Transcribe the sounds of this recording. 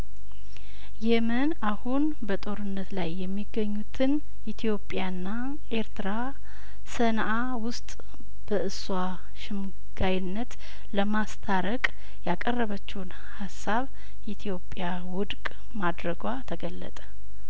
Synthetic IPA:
jɛmənahun | bət̪ʼo̞ɾɨnːət̪lajːɛmːiɡːəɲːut̪ʰɨn | ʔit̪ʰjo̞pʼjanːa | ʔe̞ɾt̪ʰɨɾa | sənʔa | wʊst̪ʼ | b̥əʔɨswa | ʃɨm | ɡ̥ajnːət̪ | ləmast̪ʰaɾəkʼ | jakʼərːəβət͡ʃːɛwn | hasːaβ | it̪ʰijo̞pʼja | wʊd̪kʼ | mad̪ɾəɡat̪ʰəɡəlːə̰t̪ʼə̥

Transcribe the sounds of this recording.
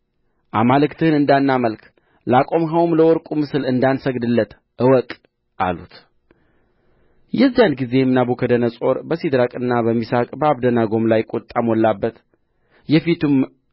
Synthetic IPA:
ʔamalɨkt̪ʰɨhɨnɨnd̪anːaməlkʰ | lakʼo̞mɦawumləwɔɾkʼumɨsɨlɨnd̪ansəɡd̪ɨlːət̪ | ʔɨwɔkʼ | ʔa̰lṵt̪ | jɛzːijanɡize̞mnabokʰəd̪ənəsʼo̞ɾbəsid̪ɾakʼɨnːaβəmːisakʼbəaβd̪ənaɡo̞mlajkʼot̪ʼːamɔlːabːət̪ | jɛfit̪um

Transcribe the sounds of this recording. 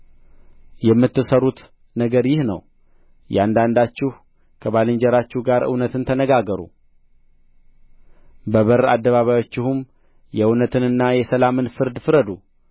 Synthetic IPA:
jɛmːɨt̪ːɨsəɾut̪ | nəɡəɾjɪhnə̰w | jɛ̰and̪and̪at͡ʃːɪh | kʰəβalɨɲd͡ʒɛɾat͡ʃːɪhɡaɾʔɨ̰wnət̪ɨnt̪ʰənəɡaɡəɾṵ | bəβəɾad̪ːəβaβajo̞t͡ʃːɪhum | jɛɨwnət̪ʰɨnɨnːajɛsəlamɨnfɨɾd̪fɨɾəd̪u

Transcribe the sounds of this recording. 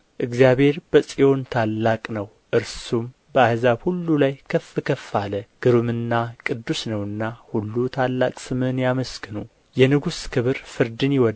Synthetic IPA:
ʔɨɡzjaβhe̞ɾbəsʼijo̞nt̪ʰalːakʼnəw | ʔɨɾsum | bəahzabhulːulajkʰəfːɨkʰəfːaləɡ̥ɨɾɨmɨnːakʼɨd̪ːusnəwɨnːahulːut̪ʰalːakʼsɨmɨnjaməsɡɨnu | jɛnɨɡuskʰɨβɨɾfɨɾd̪ɨnjɪwɔ

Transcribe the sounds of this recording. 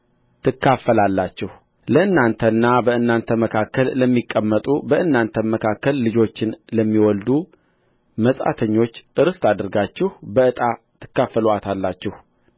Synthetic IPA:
t̪ʰɨkːafːəlalːat͡ʃːɪh | ləɨnːant̪ʰənːabəɨnːant̪ʰəməkʰakːəlːəmːikʼːəmːət̪ʼubəʔɨnːant̪ʰəməkʰakːəlːɨd͡ʒo̞t͡ʃːɪnləmːiwɔld̪u | məsʼa̰t̪ʰəɲːo̞t͡ʃːʔɨɾɨst̪ʰad̪ɨɾɡat͡ʃːɪhbəɨt̪ʼa | t̪ʰɨ̥kːafːəluat̪ʰalːat͡ʃːɪh

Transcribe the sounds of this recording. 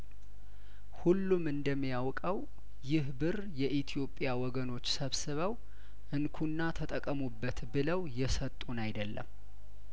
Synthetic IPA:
hulːumɨnd̪əmːijawkʼəw | jɪhbɨr | jɛʔit̪ʰijo̞pʼːjawɔɡəno̞t͡ʃːsəβsɨβəw | ʔɨnkʰunːat̪ʰət̪ʼəkʼːəmubːət̪bɨləwjɛsət̪ʼːunajd̪əlːə̰m

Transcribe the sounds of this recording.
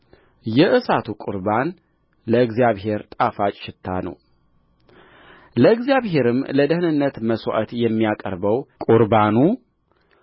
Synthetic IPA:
jɛʔɨsat̪ʰukʼʊɾban | ləɨɡzijaβɦe̞ɾt̪ʼafat͡ʃʼʃɪt̪ʰːa̰nə̰w | ləɨɡzjaβɦe̞ɾɨmləd̪əhɨnɨnːət̪məsʔət̪jɛmːijakʼə̰ɾbəwkʼʊɾbanu

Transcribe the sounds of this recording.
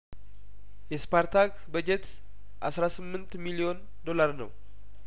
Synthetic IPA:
jɛspʰaɾt̪ʰak | bəd͡ʒɛt̪ | ʔasɾasɨmːɨnt̪milio̞n | d̪o̞laɾnə̰w

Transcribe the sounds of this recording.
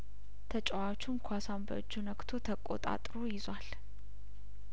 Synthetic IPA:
t̪ʰət͡ʃʼəwat͡ʃːumkʰʷasambə̰d͡ʒːunəkt̪ʰo̞t̪ʰəkʼo̰t̪ʼa̰t̪ʼɾojɪzwal

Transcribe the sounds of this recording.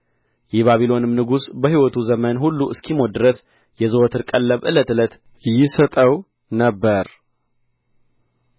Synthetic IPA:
jɛβaβilo̞nɨmnɨɡusbəhiwɔt̪ʰuzəmənhulːuɨskʰimo̞d̪ɨɾəs | jɛzɨwot̪ʰɨɾkʼəlːəβʔɨlət̪ɨlət̪ | jɪsət̪ʼəw | nəbːəɾ

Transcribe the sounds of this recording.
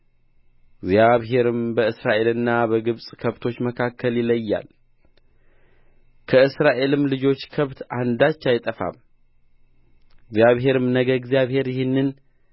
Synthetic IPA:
ɨɡzjaβɦe̞ɾɨmbəɨsɾaʔe̞lɨnːabəɡɨβsʼkʰəβt̪ʰo̞t͡ʃːməkʰakʰːəljɪləjːa̰l | kʰəɨsɾaʔe̞lɨmlɨd͡ʒo̞t͡ʃːkʰəβt̪ʔand̪at͡ʃːajt̪ʼəfa̰m | ɡzjaβɦe̞ɾɨmnəɡəɡzjaβhe̞ɾjɪhɪnːɨn

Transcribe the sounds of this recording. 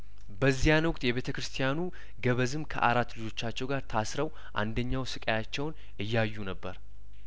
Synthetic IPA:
bəzːijanwʊkʼt̪ʼjɛβet̪ʰəkɾɨst̪ʰijanu | ɡəβəzɨmkʰə̰ʔaɾat̪ːlɨd͡ʒo̞t͡ʃːat͡ʃːɛwɡaɾt̪ʰasɾəw | ʔa̰nd̪əɲːawsɨkʼəjat͡ʃːɛwn | ʔɨjːajːunəbːəɾ

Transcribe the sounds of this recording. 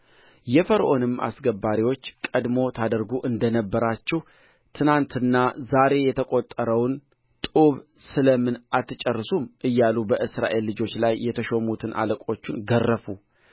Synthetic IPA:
jɛfəɾʔo̞nɨmːʔa̰sɡəbːaɾiwo̞t͡ʃːkʼəd̪mo̞t̪ʰad̪əɾɡuʔɨnd̪ənəbːəɾat͡ʃːɛh | t̪ʰɨnant̪ʰɨnːazaɾe̞jɛt̪ʰəkʼo̞t̪ʼːəɾəwn | t̪ʼuβsɨləmɨnʔat̪ʰːɨt͡ʃʼərːɨsumʔɨjːalubəʔɨsɾa̰ʔe̞lːɨd͡ʒo̞t͡ʃːlajːɛt̪ʰəʃo̞mut̪ʰɨnʔa̰ləkʼo̞t͡ʃːunɡərːəfu

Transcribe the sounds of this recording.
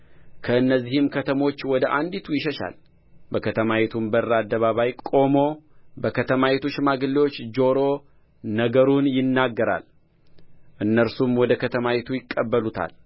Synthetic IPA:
kʰəɨnːəzːihɪmkʰət̪ʰəmo̞t͡ʃːwɔd̪əʔand̪it̪ʰujɪʃəʃa̰l | bəkʰət̪ʰəmawɛt̪ʰumbərːad̪ːəβaβajkʼo̞mo̞bəkʰət̪ʰəmawet̪ʰuʃmaɡɨlːiwo̞t͡ʃːd͡ʒo̞ɾo̞ | nəɡəɾunjɪnːaɡːəɾa̰l | ʔɨnːəɾsumwɔd̪əkʰət̪ʰəmawet̪ʰujɪkʼːəbːəlut̪ʰa̰l

